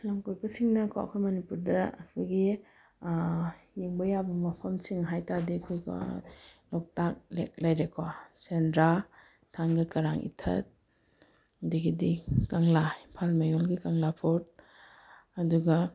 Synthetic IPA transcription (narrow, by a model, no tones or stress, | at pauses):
lamkojbɐsiŋnɐkʰa̰ɐ̰kʰojmɐnipuɾdɐɐ̰kʰojɡi | jeŋbɐjabɐmɐpʰɐmsiŋɦajtadikʰojkɔ̰lɔk̚tak̚lek̚lajɾekʰɔsendɾa | tʰaŋɡikɐɾaŋʔḭtʰɐ̰t̚ | diɡidikaŋlainpʰalmajɔlɡikaŋlapʰot̚ | ɐduɡɐ